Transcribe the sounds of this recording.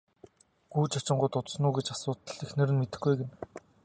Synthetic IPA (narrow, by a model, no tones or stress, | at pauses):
ɡ̥uːt͡ɕat͡ɕɪ̆ɴɢʊːt̪ʊt͡s̪snuːɡet͡ɕasʊːt̪ə̆ɮexnĕɾɘ̆nmet̪ɘ̆xɡujɡen